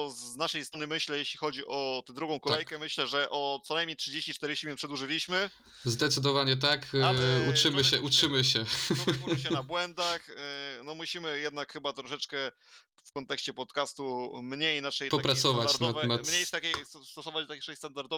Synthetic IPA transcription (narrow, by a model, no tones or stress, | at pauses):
ɔznaʂɛjst̪ɾɔnɘmɘɕlɛjeɕlʲixɔd͡ʑiʔɔt̪d̪ɾuɡɔ̃w̃kɔlaɛjkkɛmɘɕlɛʐɛʔɔt̪sɔnajmɲejtʂɘd͡ʑeɕt͡ɕit͡ʂt̪ɛɾɘɕimʲɛpʂɛd̪wuʐɘlʲiɕmɘ | zd̪ɛt̪sɘd̪ɔvaɲɛt̪̬akaut͡ʂɘmɘɕɛʔut͡ʂɘmɘɕɛuɕ̬ɛnabwɛnd̪axnɔmuɕimɘjɛd̪̚nakxɘbat̪ɾɔʂɛt͡ʂkɛ | fkɔnt̪ɛkɕt͡ɕɛpɔt̪kast̪umɲejnaʂɛjtpɔapɾasɔvat͡ɕaɾnat̪vɛmat̪mɲejst̪akʲejst̪ɔsɔvat͡ɕ̪akʲʂɛst̪and̪aɾd̪ɔ